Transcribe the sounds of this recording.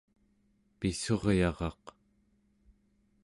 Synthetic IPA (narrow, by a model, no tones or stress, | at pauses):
piso̞ʁjɑʁɑ̰q